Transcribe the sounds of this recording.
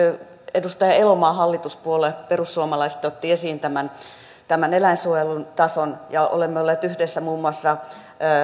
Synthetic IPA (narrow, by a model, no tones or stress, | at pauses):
edust̪ɑjɑelomɑːhɑlːit̪uspuoleperusːuomɑlɑise̥t̪ot̪ːiesiːnt̪æmæn | t̪æmænelæinsuojelunt̪ɑsonjɑo̰lemːeolːeːt̪yhdesːæmuːmːuɑsːɑ